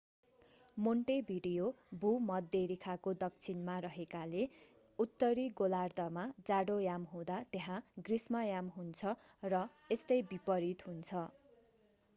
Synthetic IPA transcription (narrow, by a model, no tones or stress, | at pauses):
moɳʈebʱiɽijobʱumʌd̪eɾikʰakod̪ʌk̚t͡sʰinmarʌɦekale | ut̪ːʌɾiɡolard̪ʌmad͡zaɽojamɦũd̪at̪eɦãɡrismʌjamɦunt͡sʰʌ | rʌ | est̪ʌjbipʌɾit̪ɦunt͡sʰʌ